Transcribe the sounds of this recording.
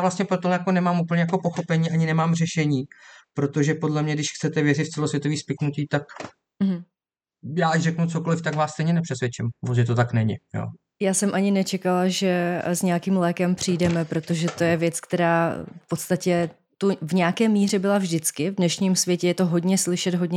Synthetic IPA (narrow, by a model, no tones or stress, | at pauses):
vlast̪ɲɛpɾot̪ojakonɛmaːmʔupl̩ɲɛjako̞po̞xo̞pɛɲiːʔaɲɪnɛmaːmr̝ɛʃɛɲiːpɾo̞t̪o̞ʒɛpo̞dlɛmɲɛdɪʃxt͡sɛt̪ɛvjɛrɪtft͡sɛlosvjɛt̪oviːspɪknuciːt̪ak | m̩ɦ̩ | jaːacrɛknut͡sokolɪft̪akvaːsst̪ɛjɲɛnɛpr̥ɛsvjɛt͡ʃɪmvozɪt̪ot̪aknɛɲɪ̰jo̰ː | jaːsɛmʔaɲɪnɛt͡ʃɛkalaʒɛzɲɛakiːmlɛːkɛmpr̝̥ijdɛmɛpɾo̞t̪o̞ʒɛt̪o̞jɛvjɛt͡skt̪ɛɾaːfpo̞t̪st̪acɛ | t̪uvɲɛakɛːmiːr̝ɛbɪlavʒdɪt͡skɪvdnɛʃɲiːmsvʲjɛcɛjɛt̪oɦo̞dɲɛslɪʃɛt̪ɦo̞dɲɛ